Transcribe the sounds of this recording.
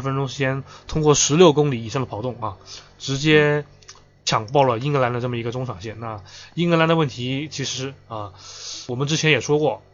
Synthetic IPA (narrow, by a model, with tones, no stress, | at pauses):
ɻfə˥nʈ͡ʂʊ˥ŋʂ̬ɻ̩˧˩t͡ɕjɛ˥nt̪ʰʊ˥ŋkwɔ˥˩ʂɻ̩˧˥ljo˥˩ʊkʊ˥ŋli˨˧˥i˨˩ʂɑ˥˩ŋd̪ə˩pʰʊt̪ʊ˥˩ŋɐ˧ʈ͡ʂɻ̩˧˥t͡ɕjɛ˥ | t͡ɕʰjɑ˨˩ŋpɑ˥˩ʊlə˩i˥ŋə˧˥la˧˥nd̪ə˧ʈ͡ʂə˥˩mə˩i˧˥ɡə˧ʈ͡ʂʊ˥ŋʂʰɑ˨˩ŋɕjɛ˥˩nna˥˩i˥ŋ˥la˧˥nd̪ə˧wə˥˩nt̪ʰi˧˥t͡ɕʰi˧˥ʂɻ̩˧˥ə˧wɔ˨˩mə˦nʈ͡ʂɻ̩˥t͡ɕʰjɛ˧˥njɛ˨˩ʂwɔ˥kwɔ˥˩